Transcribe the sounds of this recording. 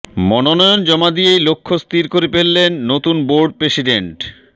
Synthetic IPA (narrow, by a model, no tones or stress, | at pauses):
mɔnonojond͡ʑɔmad̪ijejlokʰːost̪iɾkoɾepelːenːot̪unboɾɖ̚pɾesiɖeɳʈ